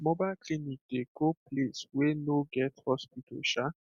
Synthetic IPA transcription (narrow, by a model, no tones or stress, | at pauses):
mɔbaklinik̚d̥ekopleswenoɡɛthɔspitʰo̰ʃa